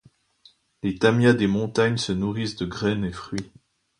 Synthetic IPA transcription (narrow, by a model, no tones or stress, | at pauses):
let̪amjad̪emɔ̃t̪aɲsənuʁisd̪əɡʁɛnefχɥi